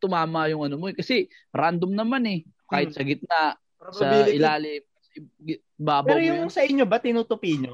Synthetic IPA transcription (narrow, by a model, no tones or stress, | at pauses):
t̪ʊmaːmɐjʊŋʔɐnomoɛkɐsɛ | ɾand̪omnɐmanɛ | kaːhɪt̪sɐɡɪt̪̚naʔ | sɐɪlaːlɪmkɐsɛɡ | baːbɐɾojʊŋsɐʔɪɲːobɐt̪ɪnuːt̪ʊpiɲo